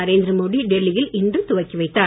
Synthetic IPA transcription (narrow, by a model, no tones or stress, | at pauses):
ɐɾeːnd̪ɾɐmoːðiɖɛlːɪjɪlɪndrɯt̪ʊʋɐɪkːiʋɐɪt̪ːaː